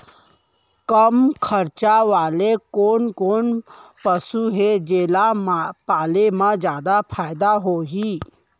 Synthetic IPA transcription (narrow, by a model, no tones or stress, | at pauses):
kəmkʰəɾt͡ʃaʋaːlekoːnkoːnpəsuɦed͡ʒeːlapaːlemãd͡ʒjaːd̪apʰaːjd̪aɦoɦiː